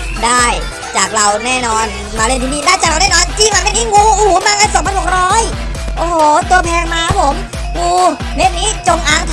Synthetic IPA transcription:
daː˥˩j | t͡ɕaː˨˩k̚ɾa˧wnɛː˥˩nɔː˧n | maː˧le˥˩nt̪ʰiː˧niː˥˩daː˥˩jt͡ɕaː˨˩k̚ɾa˧wnɛː˥˩nɔː˧nt͡ɕiː˧˥˩maː˧˩ma˧˥˩niː˦˥˩ŋuː˧˩ʔuː˨˩maː˧ka˧˩nso˨˦ŋpʰa˧nho˨˩k̚ɾɔː˦˥j | ʔoː˧˩hoː˨˩t̪u˧ɐpʰɛː˧ŋmaː˧pʰo˨˩˦m | ŋuː˧ | ne˦˥t̚niː˦˥˩t͡ɕo˧ŋʔaː˨˩ŋt̪ʰ

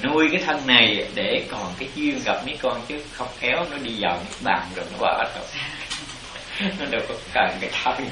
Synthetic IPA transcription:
nu˧əjkaː˨˦jt̪ʰə˧nna˨˩jɗe˧˩kɔ˨˩nkaː˨˦jt͡ɕwi˧əŋɣa˨˩p̚mi˨˦jkɔ˧nt͡ɕɨ˨˦xə˧wŋ͡mxɛ˨˦wnɔ˨˦ɗi˧zaː˨˩wmɨ̰˨˦ɓa̰ː˧˨nzo˨˩jnɔ˨˦ɓə̰ː˧˩˦t̪ə̰˨˩ | nɔ˨˦ɗe˨˩wkɔ˨˦kaː˨˩ŋkaː˨˦jt̪ʰə˧m

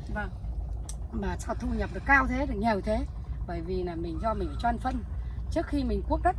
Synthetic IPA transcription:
va˨˩ŋ | maː˨˩sa˧t̪ʰu˧ɲə˨˩p̚ɗɨ˨˩ə˩kaː˧wt̪ʰe˨˦ɗɨ˨˩ək̚ɲi˨˩wt̪ʰe˨˦ | ɓəː˧˩jvi˨˩laː˨˩mï˨˩ŋ̟zɔ˧mï˨˩ŋ̟˨˩t͡ɕwaː˧nfə˧nt͡ɕɨ˦˥ək̚xi˧mï˨˩ŋ̟ku˦˥ək̚zə˦˥

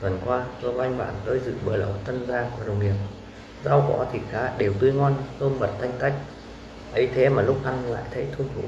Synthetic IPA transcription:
t̪wə˨˩nkwaː˧t̪o˧˩kŋ̟ɓa̰ː˧˨nt̪o˧jzɨ̰˧˨ɓəː˨˩lə̰˧˨˦wt̪ə˧nzaː˧ku˧˩ɗə̰˨˩wŋ͡mŋi˨˩əp̚ | za˧wkɔ̰˧˥t̪ʰi˨˩t̚xaː˨˦ɗe˨˩wt̪ɨ˧ŋɔ˧nhə˧mɓə˨˩t̚t̪ʰa˧jŋ̟ka˦˥jk̟̚ | ʔə˨˦jt̪ʰe˨˦maː˨˩lʊ˦˥k͡p̚ʔa˧nla̰ː˧˨jt̪ʰə˨˦jt̪ʰu˧nʰṵ˧˥

